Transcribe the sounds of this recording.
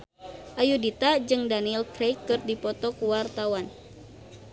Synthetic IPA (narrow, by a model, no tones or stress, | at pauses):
ʔajudit̪ad͡ʒɨŋdaniɛlkɾejkːɨrdipɔt̪ɔkuwart̪awan